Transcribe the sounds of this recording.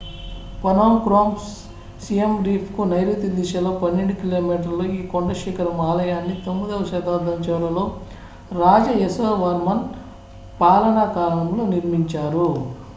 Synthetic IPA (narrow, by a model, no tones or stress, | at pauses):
pɐnoːmkɾoːms | sijemɾiːpʰkunɐjɾuːt̪id̪iʃɐloːpɐnːeɳɖukiloːmiːʈ̬ɐɾloːiːkoɳɖɐʃiːkɐɾɐmaːlɐjaːnːit̪omːid̪ɐʋʃɐt̪aːd̪ɐmt͡ʃɐːɾɐlo̞ː | ɾaːd͡ʒɐesoːʋɐɾmɐn | paːlɐɳakaːɾɐɳɐmlo̞ːniɾmiɲt͡ʃaːɾu